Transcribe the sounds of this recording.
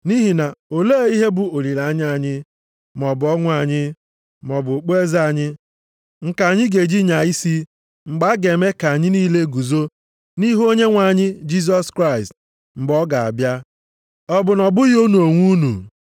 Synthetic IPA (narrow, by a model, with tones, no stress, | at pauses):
ni˦ɦi˨na˨o˨leː˦˨˦i˦ɦe˦bʊ˨o˨ɾi˨la˨˦ɲ˦a˦˨ɲɪ˦ | mɔ˨bʊ˨ɔ˦ŋʷ˦a˨ɲɪ˦ | mɔ˨bʊ˨k͡pe˦za˨ɲɪ˦ | ŋ̩˨ka˨ɲɪ˦ɡe˨d͡ʒi˦ɲa˨i˦si˦ | ŋ͡m̩˨ɡ͡ba˦ɡe˨me˦ka˨a˨ɲɪ˦niː˦le˦ɡu˨zo˦ | ni˦ɦo˦ɲe˦ŋʷa˨ɲɪ˦d͡ʒi˦s̬ɔ˦skɾa˦˨ɪ˨st | m̩˨ɡ͡bɔ˦ɡa˨a̰˨bja˦ | ɔ˦bʊ˨nɔ˨bʊ˦ɣo˦nu˨o˨ŋʷu˦nṵ˨